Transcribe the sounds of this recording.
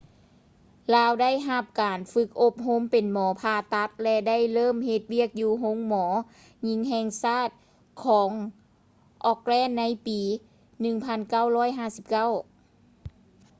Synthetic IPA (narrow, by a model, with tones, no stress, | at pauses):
laː˧˥wda˥˩˨jɦa˧˩p̚kaː˨˩nfɯ˧˥k̚ʔo˧˥p̚ɦo˧˥˨mpe˨˩nmɔː˨˩˦pʰaː˧t̪a˧˥k̚lɛ˧da˥˩˨jlɤː˥˨mhe˧t̪̚wi˥˩ək̚juː˧ɦo˧˥˨ŋmɔː˩˦ | ɲi˧˥ŋɦɛː˧˨ŋsaː˥˩t̪̚ | kʰɔː˩˦ŋ | ʔɔː˧k̚lɛː˧˥˩nːa˧˥jpiː˨˦ | nɯ˧ŋpʰa˧˥˨nka˧˥˩wlɔː˥˩˨jɦaː˥˩si˧˦p̚ka˥˩˨w